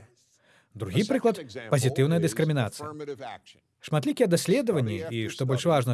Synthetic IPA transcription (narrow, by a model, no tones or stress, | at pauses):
d̪ɾuɣʲipɾɨklˠɐt̪pɐzʲit̪ɨwnɐjɐd̪ɨskɾɨmʲinat̪sɨjɐ | ʂmat̪lʲikʲɛjɛd̪asʲlʲɛd̪ɐvɐnʲːiiʂt̪ɔbɔlʲʂvaʐnɐ